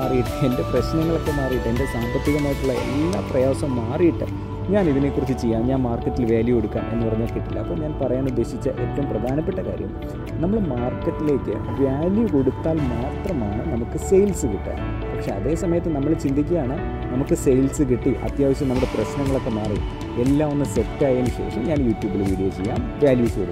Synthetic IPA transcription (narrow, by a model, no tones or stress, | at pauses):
aːrijiʈːɨe̞nde̞prɐɕnɐŋːɐɭo̞kːe̞maːrijiʈːende̞saːmbɐt̪ːiɣɐmaːjiʈːuɭːɐe̞̰lːɐprɐjaːsɐmːaːrijiʈːɨ̰ | ɲaːniðine̞kːurit͡ɕːɨt͡ɕejːaːmɲaːnmaːrkːɐʈːilʋjeːljɐkoɽukːa̰ːmʔe̞nːɨpɐrɐɲːaːlkiʈːilːɐ̰ɐpːoːɲaːnpɐrɐjaːnud̪ːe̞ːɕit͡ɕːɨ̰ʔet̪ːɐʋumprɐd̪ʱaːnɐpːe̞ʈːɐka̰ːɾjɐ̰m | nɐmːɐɭmaːrkːɐʈːile̞ːkːɨ̰ | ʋjaːljuko̞ɽut̪ːaːlmaːt̪rɐmaːɳɨnɐmukːɨsejlsɨkiʈːa̰ːn | ppɐkʂe̞ɐðe̞ːsɐmɐjɐt̪ːenɐmːɐɭt͡ɕind̪ʱikʲːɐjaːɳɨ | nɐmukːɨsejlsɨk̬iʈːiʔɐ̰t̪jaːʋiɕːɐmnɐmːuɽe̞prɐɕnɐŋːɐɭo̞kːemaːri | e̞lːaːmonːɨsetːaːjenːuɕe̞̰ːʂɐmɲaːnjuːʈjuːbiɭʋiːɽijoːt͡ɕe̞̰jːa̰ːm | ʋjaːljuːskoɽukː